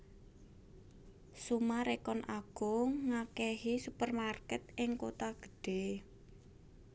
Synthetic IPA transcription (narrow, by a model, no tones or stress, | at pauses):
sumaɾekɔnaɡ̥ɔŋakɛɦisupərmarkɛt̪̚ɪŋkot̪aɡ̥ə̥̤ɖ̥e̤